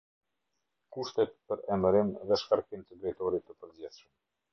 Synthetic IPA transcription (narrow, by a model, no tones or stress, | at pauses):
kuʃt̪ɛt̪pəɾɛməɾimðɛʃkaɾkimt̪əd̪ɾɛjt̪ɔɾit̪ːəpəɾd͡ʑɛθʃəm